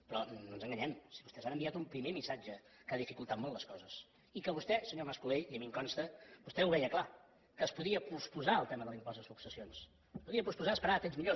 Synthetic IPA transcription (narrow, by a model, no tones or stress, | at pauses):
pɾɔnnonzəŋɡəɲɛmsiβust̪ɛzanəmbiat̪umpɾimemisad͡ʒə | kaðifikulˠt̪at̪̚moltləskɔzəs | ikəβust̪ɛsəɲoməskuleiəmimkɔnst̪əb̥ust̪ɛuβɛjəkla | kəːspuðiəpuspuzaəlˠt̪ɛməðəlimpɔzðəsuksəsions | əspuðiəpuspuzaəspəɾat̪emzmiʎo